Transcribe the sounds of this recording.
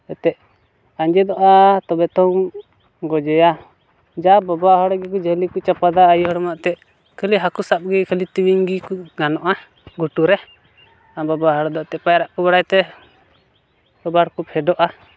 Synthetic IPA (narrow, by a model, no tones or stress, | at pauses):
ɛt̪ɛʔ | aɲd͡ʒɛd̪ɔʔat̪ɔbɛt̪ɔŋ | ɡɔd͡ʒɛja | d͡ʒababaɦɔɽɛɡɛk̬ud͡ʒəlikut͡ʃapad̪aːjɦɔɽɔmaʔt̪ɛʔ | kʰəliɦakusap̚ɡɛkʰəlit̪iwiŋɡikuɡanɔʔa | ɡuʈuɾɛ | ababaɦɔɽd̪ɔʔt̪ɛʔpajɾaʔkubaɽajt̪ɛ | sɔbaɽkupʰɛɖɔʔa